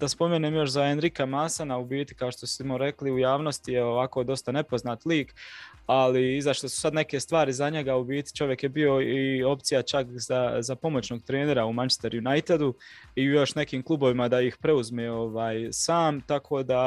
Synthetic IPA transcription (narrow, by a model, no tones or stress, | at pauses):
d̪̥aspo̞meːneːmjo̞ʃzae̞nɾikamasanaubiːt̪i̥kao̞ʃt̪o̞simoɾe̞kliujaːʋno̞st̪ijeo̞ʋako̞ːd̪o̞st̪ane̞po̞znaːt̪liːk | aliizaʃt̪osu̥sad̪ne̞ke̞st̪ʋaːɾizaɲe̞ɡaubiːt̪i̥t͡ʃo̞ʋje̞kje̞bio̞io̞pt̪sijat͡ʃakzazapo̞mo̞t͡ɕno̞ːɡ̚t̪ɾeːne̞ɾaumant͡ʃest̪eɾjunajt̪ed̪u | iujo̞ʃne̞kiːmklˠubo̞ʋimad̪aixpɾe̞uzmeo̞ʋaːjsaːmt̪akʰo̞ːd̪a